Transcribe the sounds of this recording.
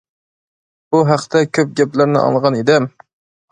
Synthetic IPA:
buɦæqt̪ʰɛkʲʰøp̚ɡʲɛplæɾnɪ̰ʔɑ̰lʁɑned̪ɛm

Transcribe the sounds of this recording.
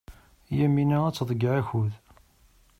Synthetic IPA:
jæminææt͡sːðˤəɡːʕæçuð

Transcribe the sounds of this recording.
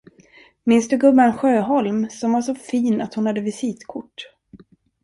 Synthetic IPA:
mɪnsd̪ɵɡɵbːaɛnɧøːɦɔlmsɔmvaʂɔfiːnat̪hʊnhad̪ːəvɪsiːt̪kʰʊʈː

